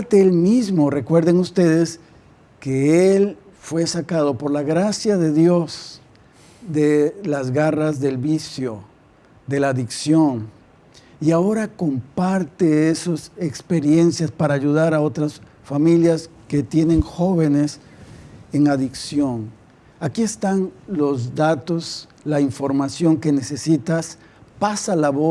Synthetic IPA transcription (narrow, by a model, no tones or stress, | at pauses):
t̪eelmizmo̞re̞kwe̞ɾðe̞ŋust̪e̞ðe̞s | keel | fwe̞sakað̞o̞po̞ɾlaɣɾasjaðe̞ðjo̞z | d̪elazɣarazðe̞lβisjo̞ | d̪e̞laðiksjo̞n | iao̞ɾako̞mpaɾt̪eesosekspe̞ɾje̞nsjaspaɾaːʝuðaɾaot̪ɾas | familjaske̞t̪je̞nẽ̞ŋxo̞βe̞ne̞s | eŋaðiksjo̞ŋ | akie̞st̪anlo̞zd̪at̪o̞s | laiɱfo̞ɾmasjo̞ŋkene̞se̞sit̪as | pasalaβo